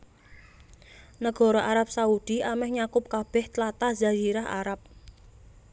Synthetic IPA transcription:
nəɡ̥ɔ̤ɾɔʔaɾap̚saud̥iʔamɛhɲakʊp̚kab̥ɛht̪lat̪azad͡ʒiɾaɦa̰ɾap̚

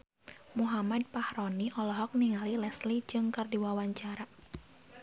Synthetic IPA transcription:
muɦamad̚pahɾɔniʔɔlɔɦɔk̚niŋalilɛslid͡ʒɨŋkərdiwawaɲt͡ʃaɾa

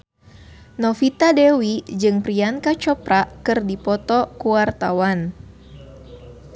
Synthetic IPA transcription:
nɔfit̪adewid͡ʒɨŋpɾiankat͡ʃɔpɾakɨrdipɔt̪ɔkuwart̪awan

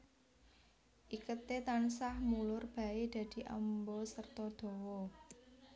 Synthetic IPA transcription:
ʔikət̪et̪ansahmulʊrb̥a̤ed̪̥ä̤d̪̥i̤ʔa̰mbɔsərt̪ɔd̪̥ɔ̤wɔ

